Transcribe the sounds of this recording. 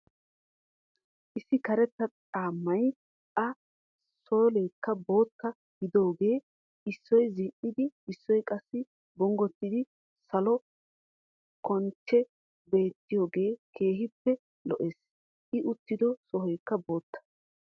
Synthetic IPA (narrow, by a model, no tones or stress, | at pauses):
ʔɪsːɪkɐɾɛt̪ːɐt͡sʼaːmːɐj | ɐ | soːleːkːɐbo̞ːt̪ːɐ | hɪd̪o̞ːɡe̞ː | ɪsːɔjzɪʔːɪd̪ɪɪsːɔjkʼɐsːɪ | bɔŋɡɔt̪ːɪd̪ɪ | sɐlɔ | kʰɔnt͡ʃːɛ | be̞ːt̪ːɪjoːɡe̞ːkʰe̞ːɦɪpːɛ | lɔʔeːs | ʔɪʔʊt̪ːɪd̪ɔsɔɦɔjkːɐbo̞ːt̪ːɐ̥